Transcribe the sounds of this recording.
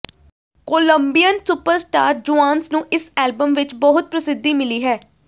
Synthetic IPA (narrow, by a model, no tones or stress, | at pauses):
koːləmbijənsʊpəɾsʈaːɾd͡ʒuãːnsnũːʔɪsɛːlbəmʋɪt͡ʃbɔɦʊt̪̚pɾəsɪd̪ːiːmɪliːɦɛː